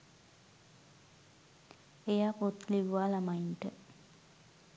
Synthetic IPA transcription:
ejaːpot̪liʋuʋaːlamainʈə

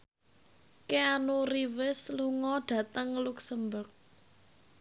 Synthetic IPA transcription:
keanuɾiwɪsluŋɔɖ̥ä̤t̪əŋluksəmbʊrk̚

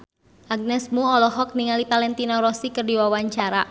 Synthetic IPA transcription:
ʔaɡ̚nɛsmuɔlɔɦɔk̚niŋalipalɛnt̪inɔɾɔsikərdiwawaɲt͡ʃaɾa

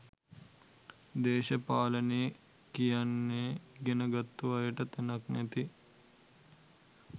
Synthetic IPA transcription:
d̪eːʃəpaːləne | kijanːeːɡenəɡat̪ːuʋajəʈət̪ænaknæt̪i

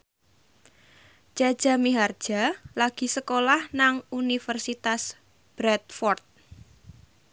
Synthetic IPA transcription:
d͡ʒ̥ḁd͡ʒ̥a̤miɦard̥ʒ̥a̤laɡ̥i̤səkolahnaŋunifərsit̪as | b̥ɾɛt̪̚fɔrt̪̚

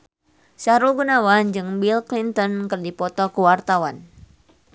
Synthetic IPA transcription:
saɾuɡunawand͡ʒɨŋbilklint̪ɔnkɨrdipɔt̪ɔkuwart̪awan

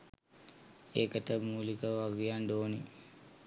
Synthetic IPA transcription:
ekəʈəmuːlikəʋaɡujaɳɖoːni

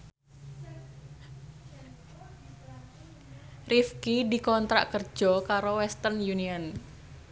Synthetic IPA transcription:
rifkid̪i̤kɔnt̪ɾa̰ʔkər̥ʒ̥ɔ̤kaɾowɛst̪ənjuniɔn

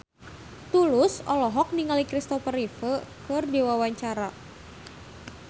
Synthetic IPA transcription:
t̪ulʊsɔlɔɦɔk̚niŋalikɾist̪ɔfərifəkɨrdiwawaɲt͡ʃaɾa

